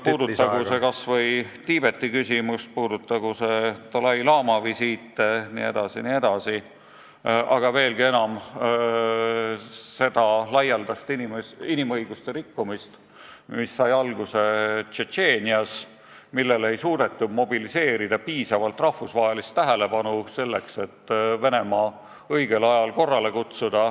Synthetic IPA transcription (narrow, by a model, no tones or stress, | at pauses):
puːd̪ut̪ːɑɡusekɑsvɤjt̪iːb̥e̞t̪ːikysimust̪̚puːd̪ut̪ːɑɡ̥use̞t̪olɑjlɑːmɑvisiːt̪ˑːenḭe̞d̪ɑsinie̞d̪ɑsi | ʔɑɡ̥ɑve̞ːlɡ̥ie̞nɑm | se̞d̪̥ɑlɑjɑld̪ɑst̪iniminimɤ̞jɡ̥ust̪e̞ɾikːumist̪ | misːɑjɑlɡ̥use̞t͡ʃet͡ʃe̞ːnʲiɑs | milːe̞le̞jsuːd̪̥e̞t̪ːumo̞bilise̞ːɾid̪̥ɑpiːsɑvɑlt̪ˑrɑhfusvɑːɦelist̪ːæɦele̞pɑnuse̞lːe̞kse̞t̪ːve̞ne̞mɑː | ɤ̞jɡe̞lɑjɑlko̞rːɑle̞kut̪sud̪̥ɑ